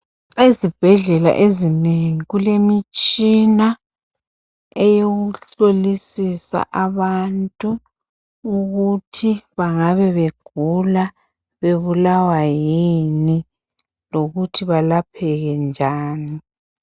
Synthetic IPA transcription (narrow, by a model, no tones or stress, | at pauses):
ezib̥ʱɛɮɛla̰ʔezineŋiɣulemit͡ʃʼina | ɛjoɣuɬolisisa̰ʔaβantʼuː | ɣutʰiβaŋaβɛβeɡ̥ʱula | βeβulawajini | loɣutʰiβalapʰɛɣɛnd͡ʒʱaːni